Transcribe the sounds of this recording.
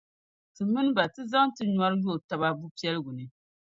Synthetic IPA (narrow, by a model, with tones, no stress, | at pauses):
tɨ˨mɨ˦n˦ba˨tɨ˦za˦ŋtɨ˦ɲa˦ɾɨ˦jo˦˨ta˦βa˦bu˦pi˦ɛ˦lɨ˦ɡʊ˨nɨ˨